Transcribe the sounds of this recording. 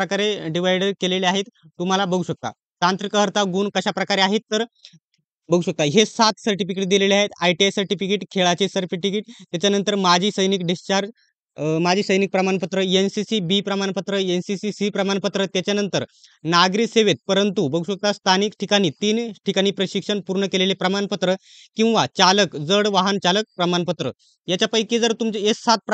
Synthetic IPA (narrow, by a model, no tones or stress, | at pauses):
ɾəkaɾeɖiʋ̤ajɖəɾkeleleaɦet̪ːum̤alabəɡʱuɕək̚t̪a̰ | t̪ant̪ɾikəɦəɾt̪ʰaɡuːɳkəɕapɾəkaɾeaɦet̪ːəɾ | bəɡuːɕək̚t̪aɦesat̪səɾʈifikeʈ̚d̪ileleaɦet̪ajʈiesəɾʈifikeʈkʰeɭat͡ɕesəɾfiʈikeʈ̚t̪jat͡ɕjanənt̪əɾmad͡ʑʱiːsəjnik̚ɖist͡ɕaɾd͡ʑ | mad͡ʑʱiːsəjnik̚pɾəmanpət̪ɾəensisibipɾəmanpət̪ɾəensisisipɾəmanpət̪ɾət̪jat͡ɕjanənt̪əɾnaɡɾiːseʋet̪̚pəɾənt̪ubəɡuɕʋək̚t̪ast̪ʰanikʈʰikaɽ̃iːt̪iːnʈʰikaɽ̃iːpɾəɕikʂəɳpuɾɳəkelelepɾəmanpət̪ɾə | kĩw̃ʋat͡ɕaləkd͡zəɽʋaɦənt͡ɕalək̚pɾəmanpət̪ɾə | jat͡ɕjapəjked͡zəɾt̪umt͡ɕesat̪̚p